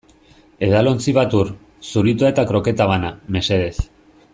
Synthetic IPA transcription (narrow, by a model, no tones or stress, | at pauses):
e̞ðalo̞nt͡siβ̞at̪uɾ | suɾit̪uaet̪akɾo̞ke̞t̪aβaname̞se̞ðe̞θ